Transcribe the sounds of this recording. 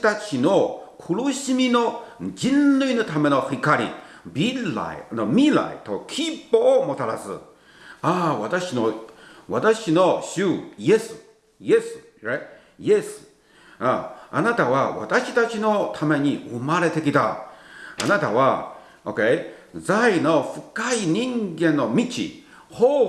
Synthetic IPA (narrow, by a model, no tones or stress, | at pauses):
t̪at͡ɕino̞kʰɯɾɯɕimʲino̞d͡ʑĩnlɯinot̪ʰame̞no̞ɸikaɾʲḭ | bila̰inomʲila̰it̪o̞kʲʰipːoːmo̞t̪aɾasɨ̰ | aβat̪aɕinoβat̪aɕino̞ɕɨjesɨ̥ | jesɨ̥ | ɾat | jesɨ̥ | aanat̪aβaβa̰t̪aɕit̪at͡ɕino̞t̪ʰame̞ɲ̟iomaɾe̞t̪e̞kʲit̪a̰ | a̰nat̪aβa | oked͡zaino̞ɸɯkaiɲĩŋɡẽ̞nːomʲit͡ɕḭ | ho